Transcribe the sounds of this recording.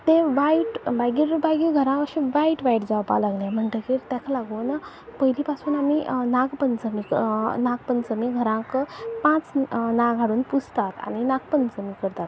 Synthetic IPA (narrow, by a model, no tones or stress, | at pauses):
t̪ẽʋaiʈbaɡiːɾbaɡiːɡʱəɾãʋəɕĩʋaiʈʋaiʈd͡zaʋpa̰laɡljãm̤əɳʈ̪əkiɾt̪akʰalaɡuːn | pəɦiliːpasuːnaminaɡpənt͡səmiknaɡ̚pənt͡səmiːɡʱəɾãkəpãt͡snaɡʱaɽuːnpust̪at̪a̰ñinak̚pənt͡səmiːkəɾt̪at̪